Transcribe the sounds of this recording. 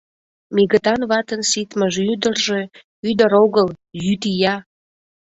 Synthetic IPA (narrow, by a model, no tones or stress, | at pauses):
miɣət̪ɑnβɑt̪ənsit̪məʒyd̪ərʒe̽ | yd̪əɾoɣəljyt̪ijɑ